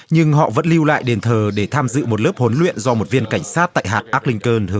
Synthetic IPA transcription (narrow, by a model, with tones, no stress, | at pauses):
ɲɨ˧ŋɦɔ̰˧˨və̰˧˥nli˧wla̰ː˧˨jɗe˨˩nt̪ʰəː˨˩ɗe˧˩t̪ʰaː˧mzɨ̰˧˨mo˨˩t̚ləː˦˥p̚ho˨˦nlwḭ˧˨ənzɔ˧mo˨˩t̚vi˧ənka˧˩jŋ̟saː˦˥tt̪a̰ː˧˨jɦaː˨˩t̚ʔaː˦˥k̚lï˧ŋ̟kəː˧nt̪ʰɨ˨˦